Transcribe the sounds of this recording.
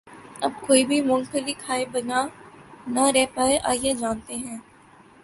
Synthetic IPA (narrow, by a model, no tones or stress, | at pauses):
ɐb̚koːibʱimʊ̃ŋkəlikʰaːebɐnanɐɾɛɦpaːeʔa̰ːjed͡ʒaːnt̪eɦɛ̃ː